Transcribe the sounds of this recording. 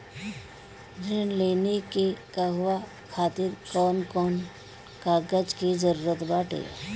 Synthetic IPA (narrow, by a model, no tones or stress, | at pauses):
ɾenleːnekekaɦʊʋa | kʰaːt̪ɪɾkɔːnkɔːn | kaːɡəd͡ʒkizəɾuːɾət̪baːʈḛː